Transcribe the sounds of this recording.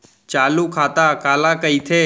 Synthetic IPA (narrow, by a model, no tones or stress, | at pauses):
t͡ʃaːlukʰaːt̪aːkaːlãkəit̪ʰeː